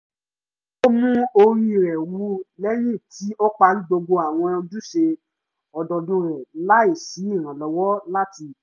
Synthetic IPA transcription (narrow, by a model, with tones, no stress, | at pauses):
o˦mũ˦o˧ɾi˦˨ɾɛ˨wu˨˦lɛ˦ɾĩ˦˨ti˨˦ɔ˦k͡pa˧lu˦ɡ͡bo˧ɡ͡bo˧a˨w̃ɔ̃˧d͡ʒu˦ʃe˧ | ɔ˨dɔ˨dũ˧ɾɛ˨la˦i˦˨si˨˦i˦˨ɾ̃ã˨lɔ˨wɔ˦la˦ti˧